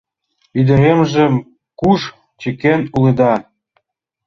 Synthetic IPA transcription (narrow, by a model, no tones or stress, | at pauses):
id̪ə̆ɾemʒĕm | kuʃ | t͡ɕĕkenuled̪ɑ